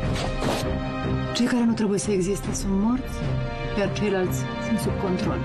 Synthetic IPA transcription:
t͡ʃe̞jkaɾe̞nut̪ɾe̞buje̞səe̞ɡzist̪e̞sunt̪mo̞rt̪sʲ | kʲjart͡ʃe̞jlalt̪sʲsunt̪sub̚ko̞nt̪ɾo̞̰l

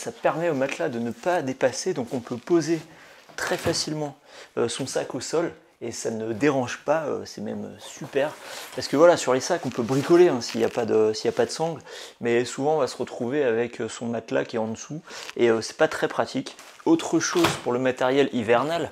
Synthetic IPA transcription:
sapɛʁmɛomat̪lad̪ənəpad̪epased̪ɔ̃kɔ̃pøpozet̪χɛfasilmɑ̃ | øsɔ̃sakosɔl | esanəd̪eʁɑ̃ʒpaø̰sɛmɛmø̰sypɛʁpaʁsə̥kəvwalasyʁlesakɔ̃pøbʁikɔleɛ̃siljapad̪əsiljapad̪əsɑ̃ɡlmɛsuvɑ̃ɔ̃vasəʁət̪χuveavɛkʰøsɔ̃mat̪la̰kʲiɛɑ̃d̪əsueøsɛ̥pat̪χɛpχat̪ʰikot̪χəʃozpuʁləmat̪ɛʁjɛlivɛʁnal

